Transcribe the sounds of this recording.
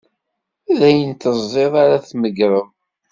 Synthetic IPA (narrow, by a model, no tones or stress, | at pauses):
æðæjənt̪əzˤːeðˤaɾaθməɡɾəm